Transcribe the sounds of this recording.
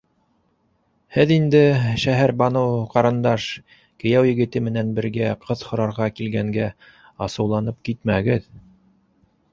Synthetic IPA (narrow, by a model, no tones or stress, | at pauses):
hɘðind̪ɘʃæɦæɾbɑnɤwqɑɾɤ̆nd̪ɑʃ | kɘ̆jæwjɘ̆ɡɘ̆t̪ɘmɘ̆nænbɘ̆ɾɡæqʰɤðhŏɾɑɾʁɑkilɡæŋɡæ | ɑsɤ̆wlˠɑnɤp̚kit̪̚mæɡɘð